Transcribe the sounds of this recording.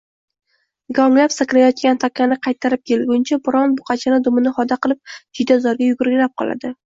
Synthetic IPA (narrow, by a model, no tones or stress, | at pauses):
ɡɒŋlapsakʲɾajɒt̪̚kʲant̪ʰakʲːanɪqʰɑjt̪ʰːaɾɪp̚kʲʰelɡʲʊnt͡ʃʰabɪɾɒnbʊqʰɑt͡ʃʰanɪd̪ʊmɪnɪhɒd̪aqɨlˠɪp̚d͡ʒɪd̪azɒɾɡʲajʊɡʊɾɡʲɪlap̚qʰɒ̰lˠa̰d̪ɪ